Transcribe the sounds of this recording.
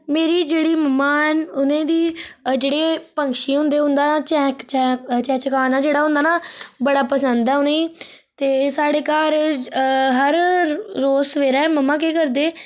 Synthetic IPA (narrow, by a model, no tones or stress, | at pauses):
meːɾiːd͡ʒeːɽiːməmaːnʊnẽːd̪iːd͡ʒeːɽeːpə̃ŋkʃiːɦʊ̃nd̪eːɦʊ̃nd̪aːnaːt͡ʃɛːkt͡ʃɛːt͡ʃɛ̃ːt͡ʃəkaːnaːd͡ʒeːɽaːɦʊ̃nd̪aːnãːbəɽaːpəsənd̪ɛːʊnẽːi | t̪eːsaːɽeːkaːɾ | ɦəɾː | oːsəʋeːɾɛːməmãːk̬eːkəɾd̪eː